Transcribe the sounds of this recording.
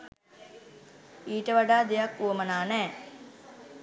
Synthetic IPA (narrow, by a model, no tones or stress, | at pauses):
iːʈəʋaɖaːd̪ejakːuwəmənaːnɛː